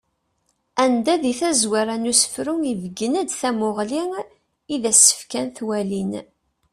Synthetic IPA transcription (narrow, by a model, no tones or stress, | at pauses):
ænd̪æðiθæzwaɾænusə̥fɾuŋivəɡənæd̪θæmʊʁliŋ | iðæsːə̥fkænθwælin